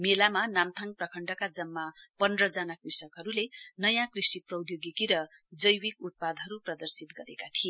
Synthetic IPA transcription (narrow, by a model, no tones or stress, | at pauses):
melamanamt̪ʰaŋ̚prʌkʰʌɳɖʌkad͡zʌmːapʌnrʌd͡zanakrisʌkɦʌɾulenʌjãkrisʈiprʌwd̪joɡikiɾʌ | d͡zʌjwikut̪̚pad̪ɦʌɾuprʌd̪ʌrsit̪ɡʌɾekat̪ʰie